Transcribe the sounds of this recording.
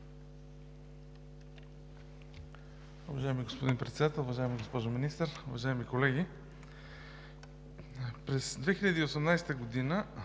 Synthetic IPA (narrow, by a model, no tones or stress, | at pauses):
ʊvɐʒajɛmiɡospod̪inpɾɛt̪sɛd̪at̪ɛlˠʊvɐʒaɛmiɡospɔʒominist̪əɾʊvɐʒaɛmikolɛɡ̟ʲi | pɾɛsd̪vɛxiʎʲɐd̪iosɛmnajsɛ̥t̪əɡod̪inə